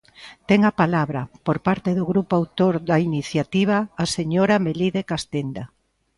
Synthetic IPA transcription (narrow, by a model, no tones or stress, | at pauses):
t̪ɛŋapalaβɾɐpoɾpaɾt̪eðoɣɾupoawt̪oɾðɐiniθjat̪iβ̞aːseɲoɾameliðekast̪end̪a